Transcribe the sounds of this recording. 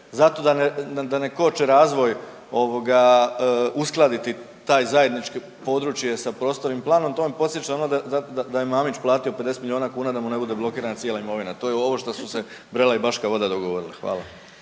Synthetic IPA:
zat̪o̞d̪anead̪aneko̞t͡ʃeɾaːzʋo̞j | o̞ʋo̞ɡa | usklˠad̪it̪i | t̪aːjzaje̞d̪nit͡ʃke | po̞d̪ɾut͡ʃje̞sapɾo̞ːst̪o̞ɾimplˠaːno̞mt̪oːnpo̞t̪sjet͡ʃaonod̪azad̪ad̪ajemaːmit͡ʃplˠaːt̪io̞ped̪eset̪milio̞ːnakuːnad̪amune̞bud̪e̞blˠo̞kiːɾanat̪sjelaimo̞ʋinat̪ojeo̞ʋo̞ʃt̪osusebɾelaibaʃkaʋo̞d̪ad̪o̞ɡo̞ʋo̞ɾilexʋa̰ːlˠa

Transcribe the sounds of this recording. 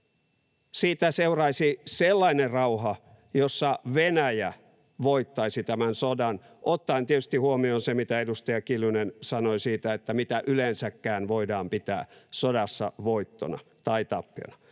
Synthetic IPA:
siːt̪æseurɑisiselːɑinerɑuhɑ | josːɑʋenæjæ | ʋoit̪ːɑisit̪æmænsodɑn | ʔot̪ːɑint̪iet̪yst̪ihuomionsemit̪æedust̪ɑjɑkilynensɑnoisiːt̪æet̪ːæmit̪æʔylensækːæːnʋoidɑːmpit̪æ̰ːsodɑsːɑ̰ʋoit̪ːo̰nɑ̰t̪ɑit̪ɑpːio̰nɑ̥

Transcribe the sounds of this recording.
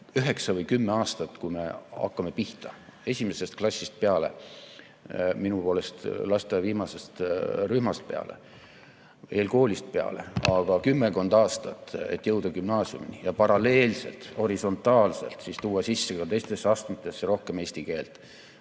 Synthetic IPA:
yɦe̞ksɑvɤjkymːeɑːst̪ɑt̪ːkujme̞ɑ̰kːɑme̞piht̪ɑe̞sʲime̞se̞st̪̚klɑsʲːist̪̚pe̞ɑle̞̰ | minupo̞ːle̞st̪lɑst̪eviːmɑse̞st̪ryhmɑst̪̚pe̞ɑ̰le̞̰ | e̞ːlko̞ːlist̪̚pe̞ɑ̰le̞̰ɑɡ̥ɑkymːeko̞nd̪̥ɑːst̪ɑt̪ːˑḛt̪ːˑjɤwd̪̥ɑkymnɑːsiṵminijɑpɑɾɑle̞ːlse̞̰lt̪ho̞ɾiso̞nt̪ːˑɑːlse̞̰lt̪sist̪uːɑsisːekɑt̪e̞jst̪e̞sːeɑːst̪mɑt̪ːˑe̞sːeɾo̞hke̞me̞ːst̪ike̞ːlt̪ˑ

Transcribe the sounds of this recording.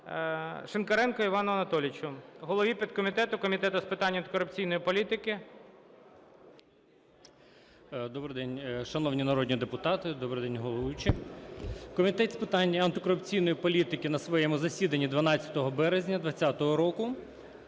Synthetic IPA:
ʃenkɐɾɛnkɔiʋɑnɔɐnɐt̪ɔlʲɪt͡ʃʊɦɔlˠɔʋʲipʲid̪̚kɔmʲit̪ɛt̪ʊkɔmʲit̪ɛt̪ʊspɪt̪ɑnʲːɐnt̪ɪ̥kɔɾʊp̚t͡sʲijnɔjipɔlʲit̪ɪkɪ | d̪ɔbɾɪjd̪ɛnʲʃɐnɔwnʲinɐɾɔd̪ʲnʲid̪epʊt̪ɑt̪ɪd̪ɔbɾɪjd̪ɛnʲɦɔlˠɔʋut͡ʃi | kɔmʲit̪ɛt̪ʲspɪt̪ɑnʲːɐɐnt̪ɪkɔɾʊpt͡sʲijnɔjipɔlʲit̪ɪkɪnɐsʋɔjɛmʊzɐsʲid̪ɐnʲːid̪ʋɐnɑt͡st͡sʲːɐ̥t̪ɔɦɔbɛɾezʲnʲɐd̪ʋɐt͡sʲːɑt̪ɔɦɔɾɔkʊ

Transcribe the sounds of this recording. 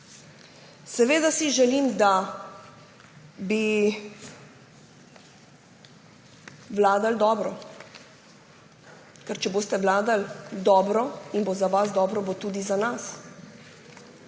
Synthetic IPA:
sɛʋeːd̪asiʒɛlimd̪a | bi | ʋlaːd̪ald̪ɔːbɾɔ | kɛɾt͡ʃɛbost̪ɛʋlaːd̪ald̪ɔːbɾɔinbozaʋazd̪ɔːbɾɔbot̪uːd̪izanas

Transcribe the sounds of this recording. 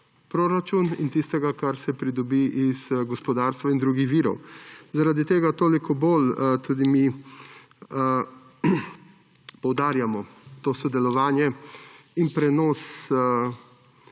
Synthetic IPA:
pɾoːɾat͡ʃunḭnt̪ist̪ɛɡakaɾsɛpɾid̪ɔbiʔizɡɔspɔd̪aːɾst̪ʋaind̪ɾuːɡixʋiːɾɔ̰wzaɾad̪it̪eːɡat̪oːlikɔbolt̪ud̪imi | pɔwd̪aːɾjamɔt̪oːsɔd̪ɛlɔʋaːnjɛ | inpɾɛnɔːs

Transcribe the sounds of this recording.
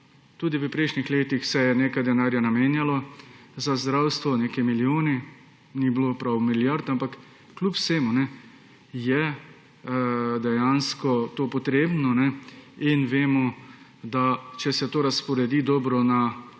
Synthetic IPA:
t̪uːd̪ipipɾɛjʃnixleːt̪ixsɛjɛneːkajd̪ɛnaːɾjanameːnjalɔzazd̪ɾawst̪ʋɔneːkɛmiljoːni | niblopɾawmiljaɾt̪ampakː | lʲupseːmunɛ | jɛ | d̪ɛjanskɔt̪oːpɔt̪ɾeːbnɔnɛinʋeːmɔd̪at͡ʃɛsɛt̪oːɾaspɔɾɛd̪iːd̪ɔːbɾɔna

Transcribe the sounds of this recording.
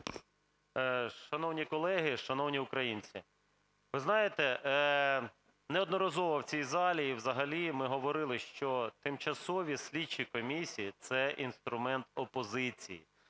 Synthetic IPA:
ʃɐnɔwnʲikɔlˠɛɦɪʃɐnɔwnʲiʊkɾɐjinʲt͡sʲi | ʋɪznɑjet̪ɛ | nɛɔd̪nɔɾɐzɔʋɐwt͡sʲijzɑlʲiiwzɐɦɐlʲimɪɦɔʋɔɾɪlˠɪʃt͡ʃɔt̪ɪmt͡ʃɐsɔʋʲisʲlʲidt͡ʃːikɔmʲisʲijit̪sɛʔinst̪ɾʊmɛnt̪ɔpɔzɪt͡sʲḭjḭ

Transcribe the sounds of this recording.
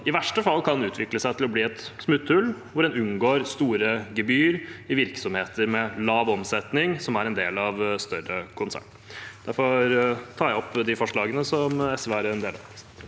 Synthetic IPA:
ɪʋæʂʈəfɑlːkʰɑnʉːt̪ʰʋɪkləsæɪt̪ʰɪlɔbliːɛt̪smʉt̪ʰːʉlʋʊɖɛnʉnɡoːɾst̪uːɾəɡɛbyːɾɪʋɪɾksɔmheːt̪ʰəɾmɛlɑːʋɔmsɛt̪nɪŋsɔmæɾɛnd̪eːlɑʋst̪œɾəkʰʊnsæ̰ɳ | d̪æɾfɔɾt̪ʰɑːɾjæɔpːd̪ɪfɔʂɭɑːɡənəsɔmɛsʋɛæɾɛnd̪eːlɑ

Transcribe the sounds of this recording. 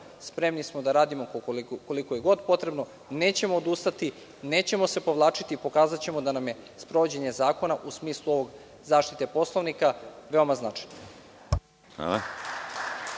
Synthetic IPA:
spɾe̞mnismod̪aɾaːd̪imokko̞likoje̞ɡo̞d̪po̞t̪ɾe̞bno̞ | ne̞ːt͡ɕe̞moːd̪ust̪at̪i | neːt͡ɕe̞mo̞se̞po̞ʋlˠaːt͡ʂit̪ipo̞kaːzat͡ɕe̞mo̞d̪anamje̞spɾo̞ʋod͡ʑeɲe̞zaːko̞naʔusmiːslˠuo̞ʋo̞ɡ | zaːʃt̪it̪e̞po̞slˠoʋnikaʋeomaznat͡ʂajno | a̰la

